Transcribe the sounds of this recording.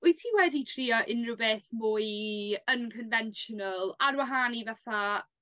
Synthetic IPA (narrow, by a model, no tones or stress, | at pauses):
ʊjtʰiːwɛditʰriːɔʔɪnrʊwbeːθmʊːjənkʰənvɛnʃɔnəlˠarwaɦaːnivaθa